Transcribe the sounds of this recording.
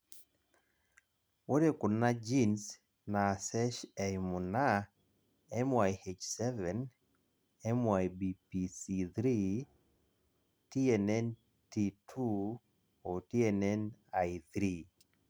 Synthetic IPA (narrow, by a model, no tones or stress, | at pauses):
woɾekʊnad͡ʒins | nasɛʃɛjmuna | ɛmwajhet͡ʃsɛvɛn | ɛmwajbipisit̪ɾi | tiɛnɛn | titʰu | otiɛnɛnajθɾi